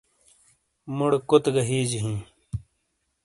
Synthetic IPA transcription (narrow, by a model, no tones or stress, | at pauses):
muɽkut̪ɡɐɦiːd͡ʑiɦĩː